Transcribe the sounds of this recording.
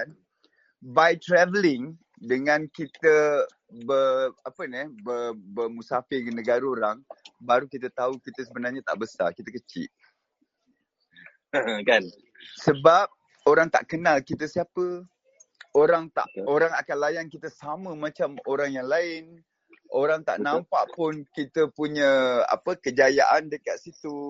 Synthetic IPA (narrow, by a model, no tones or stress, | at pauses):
bajt̪ɾɛvəlɪŋ | dəŋãnkit̪ə | bəapənɛbərbəmusafɪrɡənəɡaɾəoɾaŋbaɾukit̪ət̪aukit̪əsəbənarɲat̪a̰ʔbəsa̰kit̪əkət͡ʃɪ̰ʔ̚ | ə̃kan | səbap̚ | oɾaŋt̪a̰ʔkənalkit̪əsiapə | oɾaŋt̪a̰ʔoɾaŋakanlajankit̪əsamə̃mãt͡ʃamoɾaŋjaŋlaɪn | oɾaŋt̪a̰ʔnãmpaʔpʊnkit̪əpuɲəa̰pəkəd͡ʒaja̰ʔandəkat̪̚sit̪u